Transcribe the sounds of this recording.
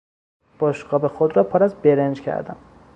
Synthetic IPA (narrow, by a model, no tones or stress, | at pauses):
b̥ɒʃɡɒːbexod̪ɾɒːpʰɒːɾæzbeɾend͡ʒkcʰæ̰ɾd̪æ̰m